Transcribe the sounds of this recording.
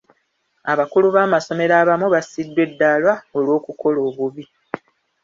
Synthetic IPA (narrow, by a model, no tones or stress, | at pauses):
aβakuluβaːmaso̞me̞ɾaːβamuβasidːwe̞dːalwaolwo̞ːkuko̞lo̞ːβuβi